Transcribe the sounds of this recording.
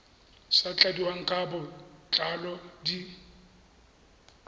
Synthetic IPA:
sat͡ɬʼadiwaŋ̩kʼabʊt͡ɬʼalɔdi

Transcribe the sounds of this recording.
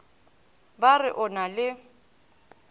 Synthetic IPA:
barɪʔɔnalɪ

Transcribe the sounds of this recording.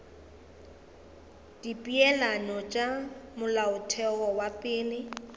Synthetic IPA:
d̥ipʼiɛlanɔt͡ʃʼamʊlaʊtʰɛɣɔwapʼɪːlɪ

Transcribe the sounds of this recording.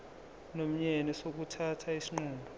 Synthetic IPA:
nom̩ɲɛnɛsok̬utʰatʰaisiŋ͡ǃuːmbʱɔ

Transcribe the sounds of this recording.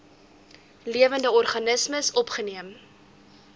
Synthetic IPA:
liəvəndəɔrχɐnəsməsɔpχəniəm

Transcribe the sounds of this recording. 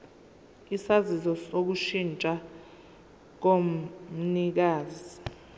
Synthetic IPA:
isazizɔsok̬uʃint͡ʃʼa | k̬o | nik̬aːzi

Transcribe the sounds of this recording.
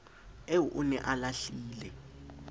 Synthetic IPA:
euʔunɛ̰ʔalaɬiːlɛ

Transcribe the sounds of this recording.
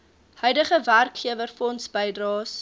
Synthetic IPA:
hœɥdəχəværkχiəvərfɔntsbəjdrɑːs

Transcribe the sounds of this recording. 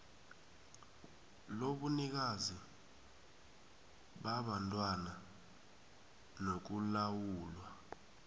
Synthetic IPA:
loɓunik̬azi | ɓaɓantʼwana | nok̬ulawuːlwa

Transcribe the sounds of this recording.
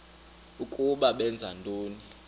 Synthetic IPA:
ukʼuɓaɓɛnd͡zʱantʼoːni

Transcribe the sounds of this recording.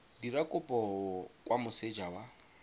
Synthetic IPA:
diɾakʼʊpʼɔɔwʔamʊsed͡ʒawa

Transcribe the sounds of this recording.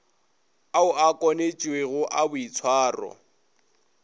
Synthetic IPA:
aʊakʼɔnet͡ʃʼiweɣʊʔabʊit͡sʰwaːrɔ̰

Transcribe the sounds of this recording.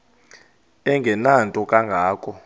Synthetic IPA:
ɛŋɡʱɛnantʼɔkʼaŋɡʱaːkʰʼɔ

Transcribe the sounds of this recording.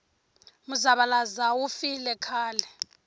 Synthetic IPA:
muzaɓalazawufilɛkʰaːlɛ

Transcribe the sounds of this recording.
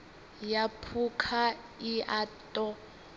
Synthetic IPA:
japʰukʰa | iʔatʼɔ

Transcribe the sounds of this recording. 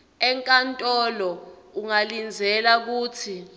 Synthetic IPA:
ɛŋkʼantʼɔlɔ | uŋalind͡zʱɛlak̬uːt͡sʰi

